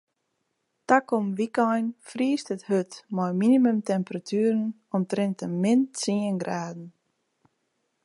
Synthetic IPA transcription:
takɔmʋikɔjnfriːstəthøtmɔjminimømtɛmpəratʰyːɾən | ɔmtrɪntəmɪnsiənɡraːdn̩

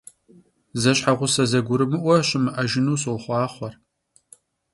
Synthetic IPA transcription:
zɐɕħaʁʷʊsɐzɐɡʷʊɾɨmɨʔʷɐɕʼɪmɨʔɐʒɪnuːɕwχʷɑːχʷɔr

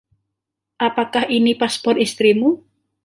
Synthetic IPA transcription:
ʔapakahinipaspɔrt̪ist̪ɾimu

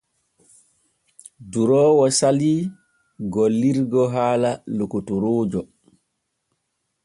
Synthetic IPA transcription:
duɾɔːwɔsaliː | ɡɔlːiɾɡɔɦaːlalokutuɾoːd͡ʒɔ

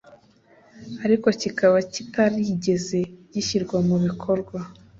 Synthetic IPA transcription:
aɾiko̞cikaβacitaɾiɟe̞ze̞ɟiʃiɾɡwamuβikʰo̞ɾɡwa

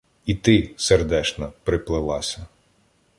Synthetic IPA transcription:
it̪ɪserd̪ɛt͡ʃnɐpɾɪplˠɪlˠɑsʲɐ

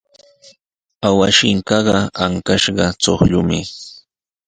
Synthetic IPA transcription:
awaʃɪŋkɑɢɑaŋkaʃɢɑt͡soχʎʊmɪ

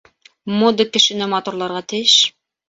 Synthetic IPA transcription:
mod̪ɤkːɘ̆ʃɘ̆nɘmɑt̪uɾlˠɑɾʁɑt̪ɘ̆jʃ

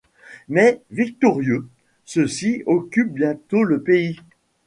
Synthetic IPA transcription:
mɛvik̚t̪ɔʁjø | səsiɔkʲyp̚bjɛ̃t̪oləpei

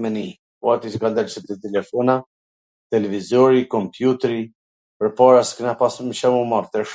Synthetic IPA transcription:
mɛni | kuat̪iskand̪ɛlsəp̚t̪ət̪ɛlɛfɔna | t̪ɛlɛvizɔɾikɔmpjut̪ɛɾi | pəɾpɑɾasknapasməʃamumaɾt̪ɛʃ

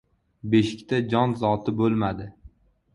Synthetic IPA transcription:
beʃɪkʲt̪ʰad͡ʒɒnzɒt̪ʰɪbolˠmad̪ɪ

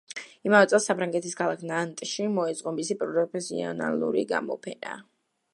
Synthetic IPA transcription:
imavɛt̪sʼɛlˠsapʰɾaŋɡɛt̪ʰiskʰalˠakʰnant̪ʼʃimɔɛzʼqʼɔmisipʼɾɔɾɔpʰɛsiɔ̰na̰lˠṵɾḭɡa̰mɔ̰pʰɛna̰

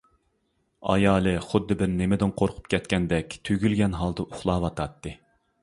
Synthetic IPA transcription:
ɑ̰jɑːlˠɨχʊd̪ːɨbɪɾnemɪd̪ɪnqʰoɾqʰʊ̥p̚kʲʰɛt̪̚kʲɛnd̪ɛkʲt̪ʰyɡʲylɡʲɛnɦɑlˠd̪ɨʔuχlˠɑːwɑt̪ʰɑt̪ːɨ

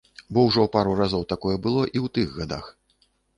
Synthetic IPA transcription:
bɔwʐɔwpaɾurazɔwt̪akɔjɛbɨlˠɔʔiwt̪ɨɣɣad̪a̰x

